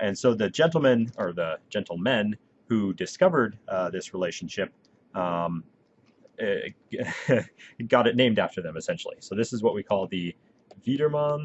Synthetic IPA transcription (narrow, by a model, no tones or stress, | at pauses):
ʔɨ̃nsoʊðɨd͡ʒɛ̃ntl̩ˠmɨ̃nə˞ðə̥d͡ʒɛ̃ntˡl̩ˠmɛ̃n | hudɨskʌvə˞d̪̚ðɪsɹileɪʃn̩ʃɪp̚ | ʌ̃m | ɡɑɾɨt̚ⁿnẽɪ̃mdæftə˞ðɨ̃mɨsɛ̃nʃl̩ˠḭsoʊðɪsɨzwʌʔ̚wikʰɔlˠðɨ | viɾə˞mɑ̃n